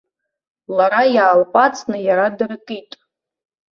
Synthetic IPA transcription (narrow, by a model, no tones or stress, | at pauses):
laɾajaːlpʷʼat͡sʼʰnɨjaɾadarɨkʼitʼ